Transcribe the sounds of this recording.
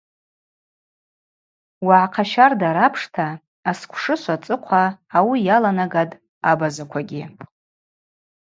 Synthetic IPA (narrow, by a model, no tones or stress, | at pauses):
waʕqʰaʃardaɾapʰʂtʰaː | skʷʰʂɨʃʷat͡sʼɨqʷʰaːwijalanaɡadʼ | abazakʷʰaɡʲɪ